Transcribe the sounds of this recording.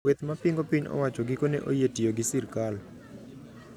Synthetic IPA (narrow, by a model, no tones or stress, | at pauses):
wɛt̪mapiŋɡopiɲɔ̰wat͡ʃoɡikoneʔojetijoɡisirkal